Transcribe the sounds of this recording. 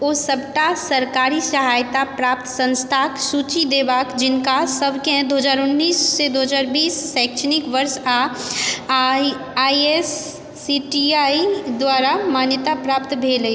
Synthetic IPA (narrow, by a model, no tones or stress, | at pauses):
oːsəbʈasɐɾkaːɾisɐɦaːjt̪apɾaːp̚t̪sə̃nst̪ʰaːksuːt͡ʃid̪eːbaːkd͡ʒɪnkasəbʱkeɦɛ̃d̪oːɦəd͡ʒaːɾʊnːiːsːed̪oːɦəzaːɾbiːsːɛ̃ːkʃʰənɪkʋəɾsa | iesː | iʈiaːid̪waːɾamaːnjət̪apɾaːp̚t̪bʱeːləi